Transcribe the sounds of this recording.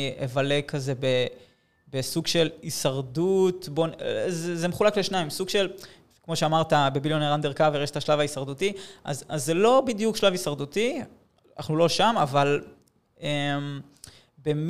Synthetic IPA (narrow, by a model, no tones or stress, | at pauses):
ḛvale̞kʰaze̞be | besuɡʃelisaʁdutbonzezemeχulakleʃnaimsuɡʃe̞l | kmo̞ʃeamaʁt̪abe̞biljoneʁand̪eʁkaveʁeʃet̪aʃlavaisaʁd̪utiʔa̰zazːelo̞bid̪jukʃlavisaʁd̪ut̪i | na̰χnulo̞ʃama̰val | em | bem